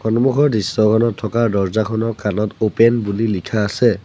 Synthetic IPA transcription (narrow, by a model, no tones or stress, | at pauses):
kʰɔnmukʰɔɹdisːɔkʰɔnɔtʰːɔkaɹdɔɹzakʰɔnɔkanɔtopɛnbulilikʰaːsɛ